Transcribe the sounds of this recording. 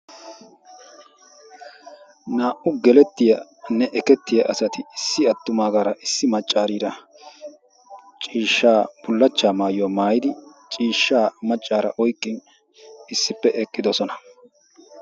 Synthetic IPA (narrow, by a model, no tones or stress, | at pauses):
naːʔʊɡɛlɛt̪ːɪjɐ | nɛʔɛkɛt̪ːɪjɐʔɐsɐt̪ɪɪsːɪɐt̪ːʊmaːɡaːɾɐʔɪsːɪmɐt͡ʃʼːaːɾiːɾɐ | t͡ʃʼiːʃːaːb̥ʊlːɐt͡ʃːaːmaːjɔmaːjɪd̪ɪt͡ʃʼiːʃːaːmɐt͡ʃʼːaːɾɐʔɔjkʼːɪn | ɪsːɪpːɛʔɛkʼːɪd̪ɔsɔnɐ̥